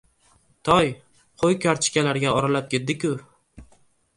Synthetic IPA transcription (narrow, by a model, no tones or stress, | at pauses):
t̪ʰɒj | qʰojkʰʲaɾt͡ʃʰɪ̥kʲalaɾɡʲaɒɾalap̚kʲe̞t̪̚d̪ɪkʲʊ